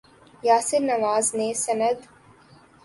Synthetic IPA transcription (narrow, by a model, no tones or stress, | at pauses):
jaːsɪɾnɐʋaːzneːsɐnəd̪